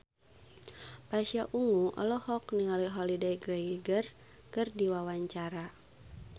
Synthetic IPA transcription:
pasiaʔuŋuʔɔ̰lɔhɔkniŋaliɦɔlidɛjɡrɛɡiɡər | kɨrdiwawaɲt͡ʃaɾa

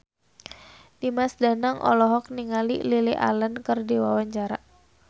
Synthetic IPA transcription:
dimasdanaŋʔɔ̰lɔɦɔk̚niŋalḭliliʔa̰lənkərdiwawaɲt͡ʃaɾaʔ

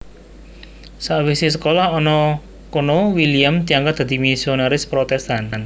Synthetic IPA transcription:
saʔwisis̬əkolahɔnɔ | konowiliamd̪̥i̤aŋɡat̚d̪̥ä̤d̪̥imisionaɾɪspɾɔt̪ɛst̪anan

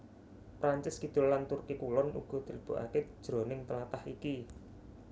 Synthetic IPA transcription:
pɾaɲt͡ʃɪsɡ̥i̤d̪̥ʊ̤lːant̪urkikulɔnʔṵɡ̥ɔ̤d̪̥i̤ləb̥ṳʔa̰ke̥ʒ̥ɾo̤nɪŋt̪əlat̪ahiki

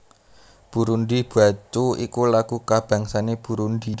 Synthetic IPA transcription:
b̥ṳɾund̪ib̥a̤t͡ʃuḭkulaɡ̥ukab̥a̤ŋsaneb̥ṳɾund̪i

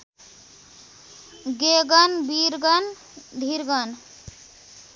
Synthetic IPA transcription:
ɡeɡʌnbiɾɡʌn | d̪ʱiɾɡʌn

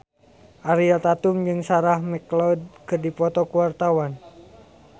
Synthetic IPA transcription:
ʔaɾialt̪at̪umd͡ʒɨŋsaɾahmɛklɔd̚kɨrdipɔt̪ɔkuwart̪awan

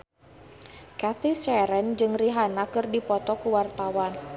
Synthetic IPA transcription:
kaθisɛɾɛnd͡ʒɨŋriɦanakɨrdipɔt̪ɔkuwart̪awan

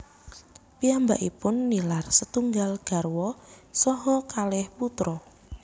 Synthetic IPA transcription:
piamba̰ʔipʊnːilarsət̪uŋɡalɡ̥a̤rwɔsɔɦɔkalɪhput̪ɾɔ

